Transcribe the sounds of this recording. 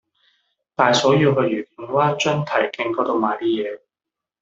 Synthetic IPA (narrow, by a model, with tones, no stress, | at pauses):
t̪aː˨jsɔː˨˥jiː˧wɦɵ˧jyː˨˩ki˨˥ŋwaː˥t͡ʃœ˥nt̪ʰɐ˨˩jkɪ˧ŋkɔː˨˥t̪o˧wmaː˨jt̪iː˥jɛː˨˧